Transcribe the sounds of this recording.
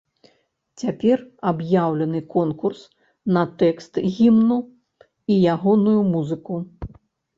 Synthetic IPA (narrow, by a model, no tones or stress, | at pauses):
t͡sʲapʲɛrabjawlʲɐnɨkɔnkurs | nɐt̪ɛkst̪ɣʲimnu | ijaɣɔnujumuzɨku